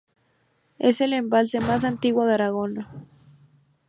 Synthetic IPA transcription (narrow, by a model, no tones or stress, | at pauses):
e̞se̞le̞mbalse̞mas̬ant̪iɣwoðeaɾaɣo̞na